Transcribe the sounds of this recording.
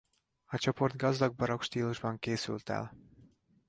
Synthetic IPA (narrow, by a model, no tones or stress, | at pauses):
ɒt͡ʃo̞po̞rd̪̚ɡɒzd̪ɒɡ̚bɒɾo̞kʃt̪iːluʒbɒŋkeːsy̰lt̪ɛ̰l